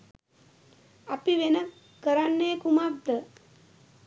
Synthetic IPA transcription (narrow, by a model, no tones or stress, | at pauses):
apiʋenə | kəɾanːeːkumatd̪ə